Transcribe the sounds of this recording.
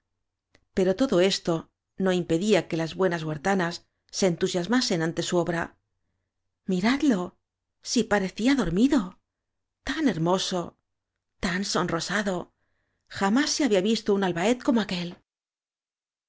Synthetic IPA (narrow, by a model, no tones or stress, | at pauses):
pe̞ɾo̞t̪o̞ðo̞e̞st̪o̞ | no̞impe̞ðiake̞lazβwe̞nazɣwaɾt̪anasː | e̞ːnt̪usjazmase̞nant̪e̞suo̞βɾa | miɾaðlo̞ | sipaɾe̞θiaðo̞ɾmiðo̞ | t̪ane̞ɾmo̞so̞ | t̪anso̞nro̞saðo̞ | xamasːeaβiaβist̪ounalβae̞t̪̚ko̞moake̞l